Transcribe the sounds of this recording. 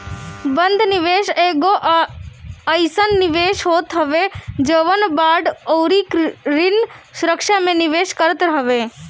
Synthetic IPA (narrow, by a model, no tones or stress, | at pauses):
bə̃nd̪ʱnɪʋeːʃeːɡoʔ | əɪsənːɪʋeːʃɦoːt̪ɦəʋed͡ʒəʋənbaːɖoːɾikɾɪnsʊɾəkʃamẽnɪʋeːʃkəɾət̪ɾəɦʋeː